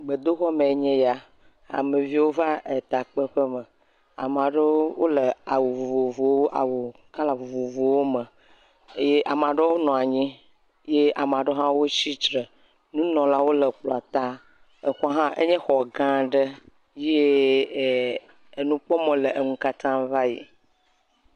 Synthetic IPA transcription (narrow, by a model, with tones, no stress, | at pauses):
ɡ͡bə˨d̪o˦xɔ˦mẽ˨e˦ɲɛ̃˦ja˨ | a̰˨me˨vi˦wo˦va˦e˨t̪a˨k͡pə˦ɸə˦mə̃˨ | a̰˨m˨ã˨ɖə˦wo˦lə˨a˨wu˨vu˨vo˨vo˨wo˦ʔa̰˨wu˨ | ka˦la˨vu˨vo˨vo˨wo˦mə̃˨ | e˦je˦ʔa˨m˨ã˨ɖe˦wo˦nɔ̃˨a˨ɲĩ˦ | je˦ʔa˨m˨a˨ɖə˦ɦã˦wo˦t͡ɕi˦t͡ʃɾə˨ | nũ˦nɔ̃˨la˦wo˦lə˨k͡plɔ˨a˨t̪a˦ | ə˨xɔ˦ɦã˦ʔḛ˦ɲɛ̃˦xɔ˨ɡã˦ɖə˦ | je˦˨ | nũ˦k͡pɔ˦mɔ̃˨lə˨ə˨ŋũ˦ka˦t̪ã˦va˦jḭ˨